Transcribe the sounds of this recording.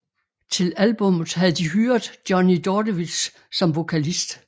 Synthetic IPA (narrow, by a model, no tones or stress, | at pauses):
t͡sʰe̝lælb̥ɔ̽mð̩ˠɦæð̩ˠd̥iɦyɐdˠd̥jɒnid̥ɒdəʋis | sɒ̽mʋo̝kʰælisd̥